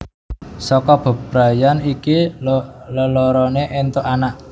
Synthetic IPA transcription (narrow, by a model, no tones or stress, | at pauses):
sɔkɔb̥ə̤b̥ɾa̤janiki | ləlɔɾɔneʔent̪oʔanaʔ